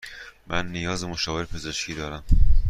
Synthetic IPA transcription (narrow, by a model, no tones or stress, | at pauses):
mænːijɒːzemoʃɒːve̞ɾpʰe̞ze̞ʃcʰiːd̪ɒːɾæm